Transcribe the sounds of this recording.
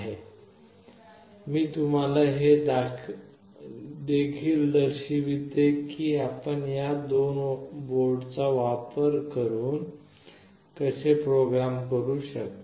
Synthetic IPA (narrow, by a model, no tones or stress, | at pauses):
ɦe | miːt̪um̤alaɦe | d̪ekʰiːld̪əɾɕiʋit̪ekiːapəɳjad̪onboɾɖt͡saʋapəɾkəɾuːn | kəsepɾoɡɾamkəɾuːɕək̪